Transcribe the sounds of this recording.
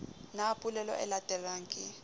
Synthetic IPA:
napʼulɛlɔ̰ʔɛ̰latʼɛraːŋkʼi

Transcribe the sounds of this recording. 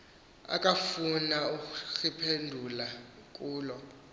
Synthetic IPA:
a̰kʼafunauxipʰendʱulakʼuːlɔ

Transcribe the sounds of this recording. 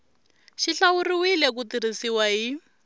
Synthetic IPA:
ʃiɬauriwilekutirisiwaɦi

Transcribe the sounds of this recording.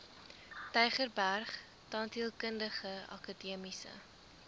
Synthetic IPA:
tɛjχərbærχ | tɑːntiəlˠkəndəχəɑ̰kɑdiəmisə̰

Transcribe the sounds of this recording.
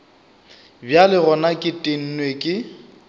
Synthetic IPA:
bjalɪɣɔnakʼɪtʼen̩nwekʼɪ

